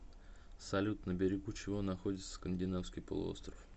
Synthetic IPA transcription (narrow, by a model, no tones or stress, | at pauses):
sɐlʲut̪nəbʲɪɾʲɪɡut͡ɕɪvo̞nɐxo̞dʲɪt̪sə̥skənʲdʲɪnafskʲɪjpə̰lˠʊ̰o̞̰st̪ɾəf